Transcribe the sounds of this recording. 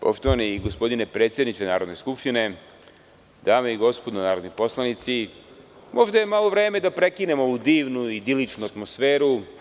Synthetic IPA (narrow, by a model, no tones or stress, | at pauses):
po̞̰ʃt̪o̞ʋaniiɡo̞spo̞d̪inepɾet̪sjed̪nit͡ʃ̪enaːɾo̞d̪neskupʃt̪ine̞ | d̪̥aːmeiɡo̞spo̞d̪onaːɾo̞d̪nipo̞slˠanit̪si | mʔo̞ʒd̪ajemalˠoʋɾe̞ːme̞d̪apɾe̞kine̞mooʋud̪iːʋnuid̪ilit͡ʃnuat̪mo̞sfe̞ːɾu